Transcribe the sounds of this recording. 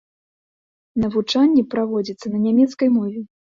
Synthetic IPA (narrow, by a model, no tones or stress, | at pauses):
nɐvut͡ʂanʲːɛpɾavɔd͡zʲit̪sːɐnɐnʲamʲɛt̪skɐjmɔvʲɛ